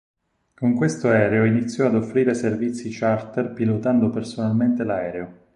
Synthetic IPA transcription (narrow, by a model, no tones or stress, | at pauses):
koŋkwest̪oɛːɾeoinit̪sːjɔad̪ofːɾiːɾeservit̪sːit͡ʃart̪erpilot̪and̪opersonalment̪elaɛːɾeo